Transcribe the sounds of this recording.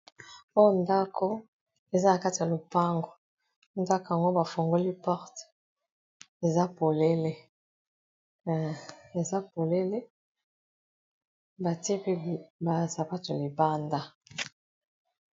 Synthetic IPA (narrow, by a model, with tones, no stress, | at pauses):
o˦jo˦nda˦kʰo˦ | e˨za˦na˨ka˦ti˨ja˨lo˨pa˦ŋɡo˨ | nda˦ka˨ŋɡo˦ba˨fo˨ŋɡo˦li˦pɔ˦ʁt | e˨za˦po˨le˦le˦˨ | e˨za˦po˨le˦le˦ | ba˨ti˦e˦pe˦˨ba˨za˨pa˦to˨a˨li˨ba˦nda˦